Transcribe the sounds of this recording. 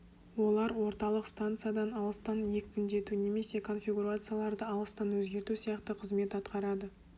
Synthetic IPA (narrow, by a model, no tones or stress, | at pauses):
wo̞lˠɑɾwo̞ɾt̪ɑlˠəqst̪ant̪sɨjad̪ɑnɑlˠəst̪ɑnje̞kʲmʲʏnd̪e̞t̪une̞me̞se̞kʰo̞nfʲijɡuɾat̪sɨjalˠɑɾd̪əɑlˠəst̪ɑnwɵzɡʲe̞ɾt̪usijɑqt̪əqʰəzme̞t̪ɑt̪qɑɾɑd̪ə